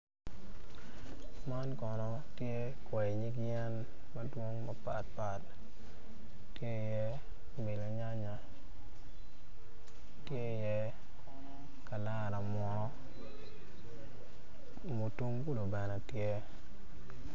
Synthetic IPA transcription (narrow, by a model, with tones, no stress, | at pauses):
ma˦nkɔ˨nɔ˨ | tje˦ | kwɛ˨ɲi˦ɡ̬jɛ˦n | mɐ˦dwo˦ŋma˨pa̰˨t̚pa˨t | tje˦˨jɛ˦˨ | me˨lo˨ɲa˦ɲa˨ | tje˦˨jɛ˦ | ka˨la˦˨ɾa˨mɔ˨nɔ˦ | mo˨tu˦ŋku˦lo˨bɛ˨nɛ˨tje˦